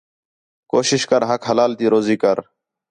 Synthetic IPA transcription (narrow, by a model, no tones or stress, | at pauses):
koːʃɪʃkəɾɦəkɦəlaːlt̪iːɾoːziːkəɾ